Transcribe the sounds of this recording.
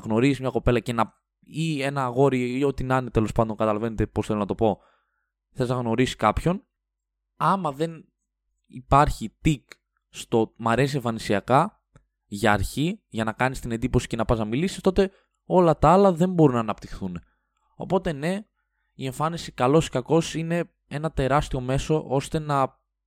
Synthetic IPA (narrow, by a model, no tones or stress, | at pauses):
ɐɣno̞ɾizizmɲɐko̞pe̞lɐce̞nɐ | ie̞nɐːɣo̞ɾiio̞t̪inɐnet̪e̞lo̞spɐnd̪o̞nkɐt̪ɐlɐve̞net̪e̞posθelonɐt̪o̞po̞ | θezɐɣno̞ɾisi̥kɐpço̞n | ɐmɐðe̞n | ipɐɾçit̪ik | st̪o̞mɐɾe̞sie̞ɱfɐnisiɐkɐ | ʝɐːɾçiʝɐnɐkɐnist̪ine̞nd̪ipo̞si̥ce̞nɐpɐznɐmilisi̥st̪ot̪e̞ | o̞lɐt̪ɐɐlɐðe̞mbo̞ɾunɐːnɐpt̪ixθune | o̞̰po̞t̪e̞ne̞ | ie̞ɱfɐnisikɐlo̞skɐko̞sine̞ | e̞nɐt̪e̞ɾɐst̪io̞me̞so̞ʔo̞st̪e̞nɐ